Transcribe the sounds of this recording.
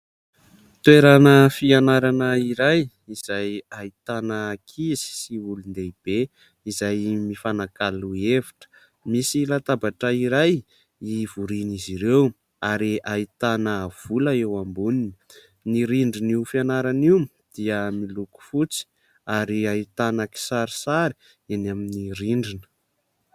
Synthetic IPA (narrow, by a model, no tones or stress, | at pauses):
t̪weɾanəfianaɾanəiɾaj | iz̥ajait̪anəːkʰizi̥siulund̪eib̥e | izajmifanakalueviʈ͡ʂə̥ | misilat̪abaʈ͡ʂəiɾaj | ivuɾiniziɾew | aɾiait̪anəv̥ulaewambuninə̥ | niɾiɳɖ͡ʐiniufianaɾanim | d̪̥iəmiluku̥fut͡si̥ | aɾiait̪anaki̥saɾisaɾi̥ | enaminiɾiɳɖ͡ʐinə̥